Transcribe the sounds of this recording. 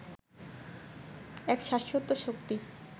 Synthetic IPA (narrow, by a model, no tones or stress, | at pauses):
ɛkʃaʃot̪ːoʃokt̪i